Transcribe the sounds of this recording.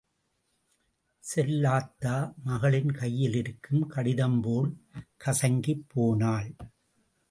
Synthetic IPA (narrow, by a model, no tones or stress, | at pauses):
sɛlːaːt̪ːaːmɐɣɐɭɪnkɐjːɪlɪɾɯkːɯmkɐɽɪðɐmpoːlkɐsɐŋɡipʰːoːnaːl